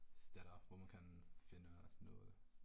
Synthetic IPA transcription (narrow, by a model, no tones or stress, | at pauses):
stɛɾɐpvoːmankʰanfɪnənʊ̰l